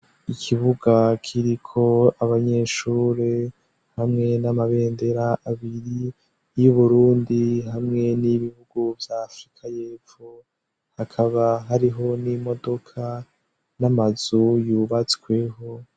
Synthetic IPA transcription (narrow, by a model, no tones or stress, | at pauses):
ikʰiβuɡakʰiɾikʰo̞aβaɲe̞ːʃuːɾe̞ | hamŋe̞namaβe̞ːnde̞ɾaʔːβiɾi | juβuɾuːndiɦamŋe̞niβihuɡuvjaːfɾikʰaje̞ːfu | hakʰaβaɦaɾiɦo̞nimo̞do̞kʰa | namazujuːβat͡skwe̞ɦo̞